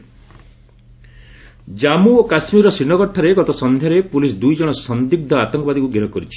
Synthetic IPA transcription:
d͡ʒamuokasmiɾɔsinɔɡɔʈʰːɔɾeɡɔt̪ɔsɔnd̪ʱjaɾepulisd̪ujd͡ʒɔɽ̃ɔsɔnd̪iɡ̚d̪ʱɔat̪ɔŋkɔbad̪ikuɡiɾɔkɔɾit͡ʃʰi̥

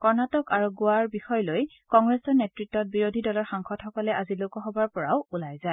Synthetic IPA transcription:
kɔɹnatɔkaɹuɡʊwaɹbixɔjloj | kɔŋɡɹesɔɹnetɹitːɔt̚biɹodʱidɔlɔɹxaŋxʰɔtxɔkɔlɛʔazilokɔɦɔbaɹpɔɹawulajza

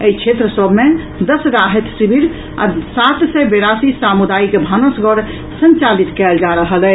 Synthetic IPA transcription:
eit͡ʃʰet̪ɾəsəbme | d̪əsɾaɦet̪sibʱiɾ | a̰sat̪sɛbeɾasisamud̪aikbʱənəsɡʱɔɾ | sə̃nt͡ʃalit̪kɛld͡ʒaɾəɦəlɛ

